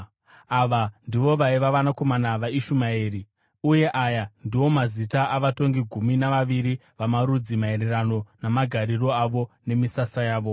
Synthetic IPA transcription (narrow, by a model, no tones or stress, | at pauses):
aʋandiʋo̞ʋaiʋaʋanako̞manaʋaiʃumaeːɾi | uje̞ʔajandiwo̞mazitaʔaʋato̞ŋɡiɡʱuminaʋaʋiɾi | ʋamaɾud͡zimae̞ɾe̞ɾano̞namaɡʱaɾiɾo̞aʋo̞ne̞misasajaːʋo̞